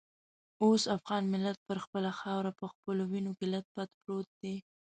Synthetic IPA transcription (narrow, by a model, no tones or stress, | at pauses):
osafɣɑnmɪlːat̪̚pəɾxpəlaxɑwɾapəxpəlowinokɪlat̪̚pat̪pɾot̪̚d̪e